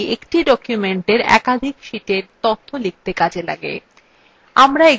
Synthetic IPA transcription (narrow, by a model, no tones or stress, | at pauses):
ekʈiɖɔkjumeɳʈeɾɛ̰kad̪ʱikʃiʈeɾt̪ot̪ʰːolik̚t̪ekad͡ʑʱela̰ɡḛ | amɾae